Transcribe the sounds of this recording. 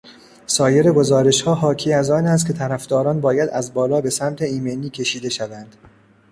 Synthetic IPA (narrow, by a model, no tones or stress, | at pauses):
sɒːje̞ɾe̞ɡo̞zɒːɾe̞ʃhɒːɦɒːcʰiːæzɒːnæst̪kʲʰe̞t̪ʰæɾæfd̪ɒːɾɒːnbɒːjæd̪æzbɒːlɒːbe̞sæmt̪ʰe̞iːmeniːcʲʰe̞ʃiːd̪e̞ʃævænd̪̥